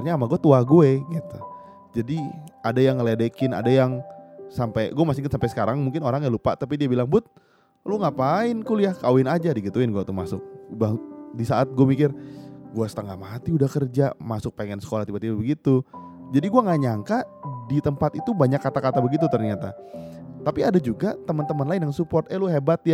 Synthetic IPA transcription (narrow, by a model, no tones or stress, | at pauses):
rɲaːmaɡuat̪uaɡueɡit̪u | d͡ʒadiadajaŋːəledekɪna̰dajaŋsampejɡuamasɪknsampɛjsə̥kaɾaŋmuŋkɪnoɾaŋjalupa̰t̪apidiabilaŋbʊt̪̚ | luŋapaɪnkuljahkawɪnad͡ʒadəɡit̪uɪnɡuat̪uma̰sʊk̚badisaat̪̚ɡuamikɪrɡuasət̪əŋɡamat̪iudahkərd͡ʒamasʊk̚peŋɛnsə̥kolaht̪ibat̪ibabəɡit̪u | d͡ʒadiɡuaŋaɲaŋkadit̪əmpat̪it̪ubaɲakːat̪akat̪abəɡit̪ut̪ərɲat̪a̰ | t̪apiadad͡ʒuɡat̪əmənt̪əmənlaɪnjaŋansupɔrt̪əlʊɦebat̪ja